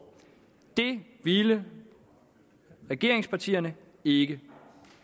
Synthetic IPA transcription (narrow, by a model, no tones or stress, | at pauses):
d̥e̝ʋilə | ʁɛɡ̥e̝ɐeŋspʰɑ̈t͡sʰḭːɐnə | e̝ɡ̥ə